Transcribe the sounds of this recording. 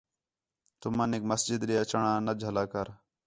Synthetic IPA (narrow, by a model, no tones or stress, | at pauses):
t̪ʊmənekməsd͡ʒɪd̪ɾijaːt͡ʃəɳãːnəd͡ʒʱəlaːkəɾ